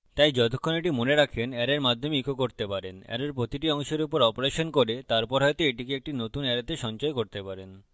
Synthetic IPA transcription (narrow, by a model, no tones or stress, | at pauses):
t̪ajd͡ʑɔt̪ʰokʰːoneʈimoneɾakʰenɛɾeɾmad̪ʱomeikʰokoɾt̪epaɾenɛ̰ɾeɾpɾot̪iʈiɔŋʃeɾupoɾɔpoɾeʃonkoɾet̪aɾpɔɾɦɔjt̪oeʈikeek̚ʈinot̪unɛɾat̪eʃɔnt͡ɕaekoɾt̪epaɾen